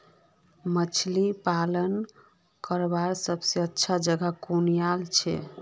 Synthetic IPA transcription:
mət͡ʃʰlipalən | kəɾbaɾsəbseətːʃʰad͡ʒəɡakonijalt͡ʃʰɛ̰

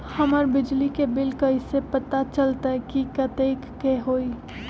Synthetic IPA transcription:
həməɾbɪd͡ʒlikebɪlkəɪsepət̪at͡ʃəlt̪aɦɛkikət̪eːkːeɦoːi

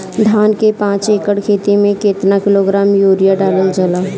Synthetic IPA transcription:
d̪ʱaːnkepãːt͡ʃeːkəɽkʰeːt̪imẽkeːt̪nakɪloɡɾaːmjoːɾijaɖaːləld͡ʒəlaː

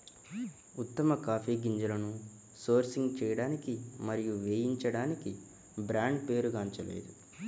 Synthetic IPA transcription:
ut̪ːɐmɐkaːpiːɡiɲd͡ʒɐlɐnu | so̞ːɾsiŋɡt͡ʃɛːjɐɽaːnikimɐɾijuʋeːjiɲt͡ʃɐɽaːniki | bɾaːɳɖpe̞ːɾuɡaːɲt͡ʃɐlḛːd̪u

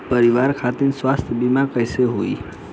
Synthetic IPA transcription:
pəɾiʋaɾkʰat̪inswast̪ʰjəbimakəjseɦoi

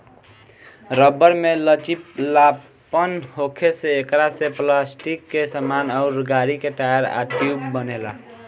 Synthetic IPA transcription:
ɾəbːəɾmelət͡ʃipla | pənhokʰeseːkɾaseplasʈikːesəmanaʊɾɡaɾikeʈajəɾa̰ʈjubbənela̰

